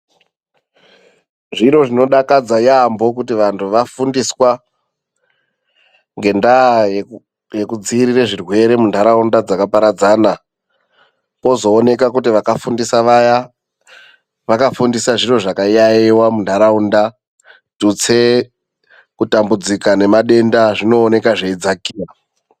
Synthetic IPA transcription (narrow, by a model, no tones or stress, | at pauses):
ʐiɾo̞ʐino̞ɗakad͡zajambo̞k̬utiʋantʰuʋafundiswa | ŋɡe̞ndaj | je̞kud͡ziːɾireʐirwe̞ɾe̞mundʱaɾaundad͡zakapaɾad͡zaːna | ko̞zo̞ːne̞kak̬utiʋakafundisaʋaja | ʋakafundisaʐiro̞ʐakaijaiwamundʰʱaɾaunda | tut͡se | kutambud͡zikane̞maɗe̞ndaʐino̞ːne̞kaʐeid͡zakiːa